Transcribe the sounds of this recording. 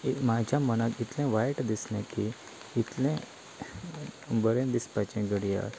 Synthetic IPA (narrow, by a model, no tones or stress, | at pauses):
mad͡ʑʱamənakit̪lẽʋajʈd̪isnẽkiː | t̪lẽ | bəɾẽd̪ispat͡ɕɛ̃ɡəɽija̰